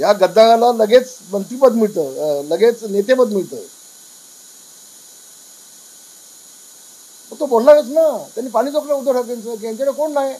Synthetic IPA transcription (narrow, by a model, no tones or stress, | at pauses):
jaɡəd̪ʱːãalaləɡet͡smənt̪ɾibəd̪miɭt̪əːləɡet͡snet̪ebəd̪miɭt̪ə̰ː | məɡ̚t̪obollaɡət͡snat̪janːiːpaɽ̃iːt͡soapləud̪ʱəʈʰək̬ẽnt͡sək̬eet̪eɽəkoɳːaj